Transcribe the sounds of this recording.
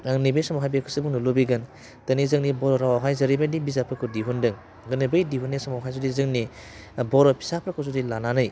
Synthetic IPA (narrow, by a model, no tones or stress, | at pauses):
aŋnijbejsamawɦajbekʰɯsɯbuŋnulobiɡɯn | tɐnizɯŋnibɔɾɔɾawaɦajzɐɾibadibizapʰɾɯkʰɯdiɦundɯŋ | ɡɯnibɯjdiɦunːesamawɦajzɔdizɯŋnibɔɾɔpʰi̥sapʰɾakʰɯzudilananɯj